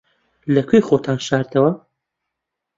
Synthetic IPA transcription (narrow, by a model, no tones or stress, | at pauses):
lɐkʰʷejxot̪ʰaːnʃaːɾt̪ʰɐwɐ